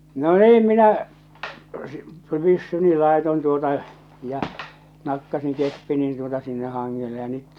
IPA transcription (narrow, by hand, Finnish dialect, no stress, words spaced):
no niːm minæ si̥ pysːyni lɑˑeton tuotɑ jɑ nɑkːɑsiŋ kepːinin tuotɑ sinːeh hɑŋːele jɑ nyt